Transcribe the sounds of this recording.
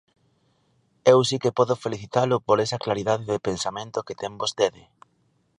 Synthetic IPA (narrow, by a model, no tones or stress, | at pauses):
ewsikepɔðʊfeliθit̪alʊpoɾɛsɐklaɾiðaðɪðepensamẽnt̪ʊket̪ɛmbost̪eðɪ